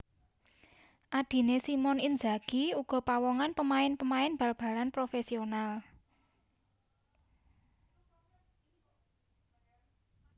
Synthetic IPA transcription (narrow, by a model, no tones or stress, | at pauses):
ʔad̪̥i̤nesimɔnind͡ʒaɡ̥iuɡ̥ɔ̤pawɔŋanpəmaɪnpəmaɪnb̥a̤lb̥a̤lanpɾofesional